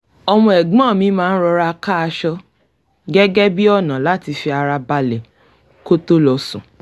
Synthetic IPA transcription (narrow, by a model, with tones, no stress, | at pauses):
ɔ˧mɔ̃˧˨ɛ˨ɡ͡bɔ̃ː˦˨mĩ˨˦mãː˦n̩˦ɾɔ˧ɾa˧ka˦a˧ʃɔ˧ | ɡɛ˦ɡɛ˦bi˦ɔ˦˨nã˨la˨˦ti˧fi˧a˧ɾa˧ba˧lɛ˨ | ko˦to˦lɔ˧sũ˨